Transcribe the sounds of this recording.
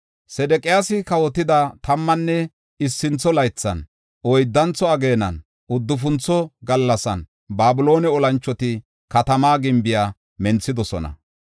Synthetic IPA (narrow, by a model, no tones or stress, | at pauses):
sɛd̪ɛkʼɪjaːsɪkɐwɔt̪ːɪd̪ɐt̪ɐmːɐnːɛ | ɪsːɪnt͡sːɔlɐjt͡sːɐ̰n | ʔɔjd̪ːɐnt͡sːɔɐɡe̞ːnɐ̰n | ʊd̪ːʊfʊnt͡sːɔɡɐlːɐsɐ̰n | baːbʊlo̞ːnɛɔlɐnt͡ʃːɔt̪ɪ | kɐt̪ɐmaːɡɪmbɪjaː | mɛnt͡sːɪd̪ɔsɔ̰nɐ̰